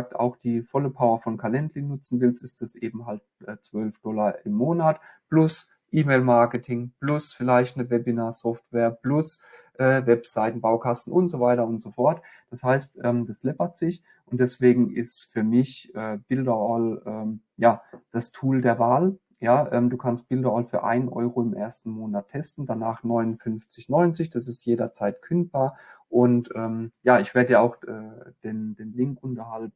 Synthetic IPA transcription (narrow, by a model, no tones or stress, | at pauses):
ak̚ta̰ʊxd̥iːfɔləpʰaʊɐfɔnkʰalɛntlɪnːʊt͡sn̩vɪlstɪstd̥asʔeːbm̩ɦalt̚ | ʔɛːt͡sv̥œlfd̥ɔlɐʔɪmːoːnat | plʊs | ʔiːmeːlmaɐkətʰɪŋplʊsfɪlaɪçtnəvɛbinasɔftv̥eːɐplʊsʔɛːvɛpz̥aɪtn̩baʊkʰastn̩ʊntz̥ovaɪtɐʊntz̥ofɔɐt | d̥ashaɪstʔɛːmd̥aslɛpɐtz̥ɪç | ʔʊnt̚d̥ɛsv̥eːɡŋ̩ʔɪstfyːɐmɪçʔɛːb̥ɪldɐɔlʔɛːmjaːd̥astʰuːldeːɐvaːl | jaːʔɛːmduːkʰanst̚b̥ɪldɐɔːlfyːɐʔa̰ɪnnʔɔ̰ʏʁoːɪmʔḛːɐstn̩moːnatʰːɛstn̩d̥anaːχnɔʏnʊnfʏnft͡sɪçnɔʏnt͡sɪçd̥asɪstjeːɾɐt͡saɪtkʰʏnt̚b̥aːɐʔʊntʔɛːmjaːɪçv̥eːɐdəjaaʊxʔɛːd̥eːndeːnlɪŋkʔʊntɐhaltn̩